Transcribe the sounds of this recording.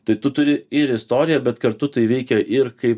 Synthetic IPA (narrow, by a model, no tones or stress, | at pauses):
t̪ɐɪt̪ʊt̪ʊɾʲɪɪɾɪst̪oːɾʲɪjɛbʲɛt̪kɐɾt̪ʊt̪ɐɪʋʲɛɪkʲɛʔɪɾkɐɪp